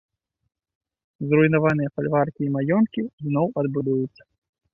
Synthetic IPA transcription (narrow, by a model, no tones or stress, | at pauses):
zrujnavanɨjɐfalʲvarkʲiːmajɔnkʲiznɔwɐd̪bud̪ujut̪sːɐ̥